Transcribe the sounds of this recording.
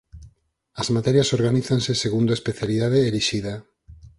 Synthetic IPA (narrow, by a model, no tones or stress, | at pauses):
ɐzmat̪ɛɾjasoɾɣaniθaŋseseɣund̪oespeθjaliðaðeeliʃiða